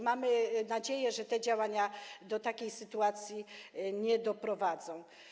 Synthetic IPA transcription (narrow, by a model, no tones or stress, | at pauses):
mamɘnad͡ʑejɛʐɛt̪ɛd͡ʑawaɲad̪ɔt̪akʲejsɘt̪uat̪sʲjiɲɛd̪ɔpɾɔvad̪zɔ̃w̃